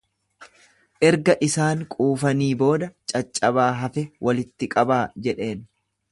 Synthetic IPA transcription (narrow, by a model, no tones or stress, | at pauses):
ʔɛɾɡɐʔɪsaːŋkʼuːfɐniːbo̞ːd̪ɐt͡ʃʼɐt͡ʃʼːɐbaːɦɐfɛwʔɐlɪt̪ːɪkʼɐbaːd͡ʒɛᶑe̞ːn